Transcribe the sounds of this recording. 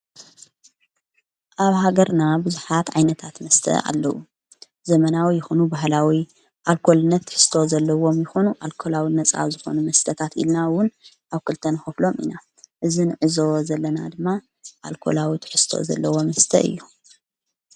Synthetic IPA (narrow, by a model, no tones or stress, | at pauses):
ʔaβhaɡɐɾnabɨzuħat̪ʕajnɐt̪ʰat̪mɐst̪ʰɐ̰a̰lːɐʔu | zɐmɐnawijɪxonubaɦlawi | ʔalkʰo̞lɨnːɐt̪ʰːħɨ̥st̪ʰo̞zɐlːɐwo̞mjɪxo̞nuʔalkʰo̞lawinɐt͡sʼa̰wzɨxo̞̰numɐst̪ʰɐt̪ʰat̪ḭlnawʊn | ʔaβkʰɨlt̪ʰɐnɨxɐflo̞mḭna | ʔɨzinɨʕɨzo̞zɐlːɐna̰d̪ɨmːa | ʔalkʰo̞̰lawit̪ʰɨ̥ħɨst̪ʰo̞̰zɐ̰lːɐwo̞mɐst̪ʰɐ̰ʔɨ̰jːu